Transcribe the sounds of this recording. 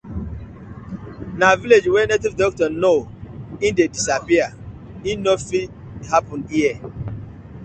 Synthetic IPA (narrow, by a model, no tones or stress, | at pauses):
naviled͡ʒwɛnetivdɔk̚tɔnoĩndedisapia | ĩnnofi | hapɔ̃niɛ